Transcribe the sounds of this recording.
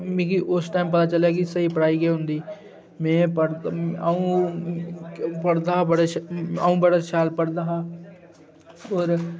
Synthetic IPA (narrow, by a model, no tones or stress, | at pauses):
mẽːkiʔʊsʈaːɪmpɐt̪at͡ʃəlek̬isɐɦipɾaːiɡeɦʊ̃nd̪iː | mɛ̃ːpəɽaũ | pəɽd̪aːɦbəɽaʃaũbəɽaʃaːlpəɽd̪aːɦa | ɔːɾ